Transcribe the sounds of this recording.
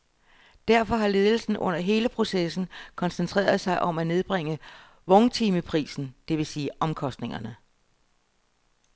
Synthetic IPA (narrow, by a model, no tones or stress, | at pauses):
d̥æɐfɒ̽ɦɑ̈le̝ːðˠl̩sn̩ʔɔ̽n̰ɐɦe̝ːləpʰʁo̝sesn̩kʰɒ̽nsənt͡sʰʁɛ̰ːɐð̞ˠsɑ̈ɪʔɒ̽mæne̝ð̞ˠb̥ʁeŋ̰ə | ʋɔŋt͡sʰiːməpʰʁḭːsn̩d̥e̝ʋe̝siːʔɒ̽mkʰɒ̽sd̥ne̝ŋɐnə